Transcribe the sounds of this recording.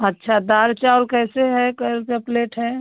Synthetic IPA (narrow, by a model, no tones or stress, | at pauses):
ətːʃʰad̪aːɾt͡ʃaɔːɾkɛːseɦɛkkepleːʈɦɛ